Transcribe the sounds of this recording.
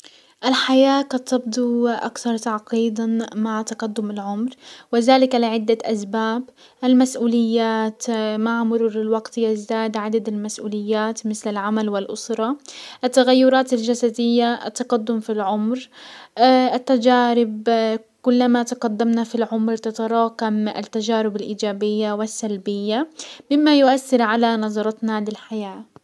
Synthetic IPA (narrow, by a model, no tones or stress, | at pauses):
ʔalħajaːkat̪ɑbd̪ˤuʔa̰kθɑɾˤt̪aʕqiːd̪amaʕt̪ɑqad̪ːʊmɪlʕʊmɾwɪðaːlɪkalɪʕɪd̪ːaʔasbaːb | ʔalmasʔuːlɪjːaːt̪maʕmʊɾuːɾɪlwɑɡt̪jɪzd̪aːd̪ʕad̪ad̪ɪlmasʔuːlɪjːaːt̪mɪθlɪlʕamalwɪlʔʊsɾˤɑʔat̪ːaɣajːʊɾˤɑːt̪ald͡ʒasad̪ɪjːaʔa̰t̪ːɑqad̪ːʊmfilʕʊmɾ | ʔɪt̪ːad͡ʒaːɾɪb | kʊlːamat̪ɑqad̪ːamnafilʕʊmɾt̪at̪ɑɾˤɑːqama̰t̪ːad͡ʒaːɾɪbalʔiːd͡ʒaːbɪjːawɪsːalbɪjːamɪmːajʊʔaθːɪɾʕalanɑzˤɑɾˤɑt̪nalɪlħajaː